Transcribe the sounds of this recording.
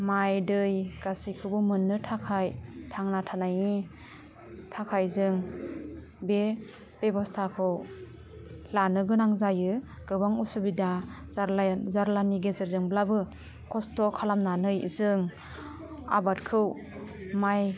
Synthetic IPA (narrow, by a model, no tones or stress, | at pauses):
majdɯjɡ̥asikʰɯwbɯmɯnːɯtʰakʰajtʰaŋnatʰanaji | tʰakʰajzɯŋ | be | b̥ebɔstʰakʰɯw | lanɯɡɯnaŋzajɯ | ɡ̥ɯbaŋusɯbidaɾzaɾlaniɡezeɾzɯŋblabɯ | kʰɔstɔkʰalamnanɯjzɯŋ | a̰bat̚kʰɯw | maj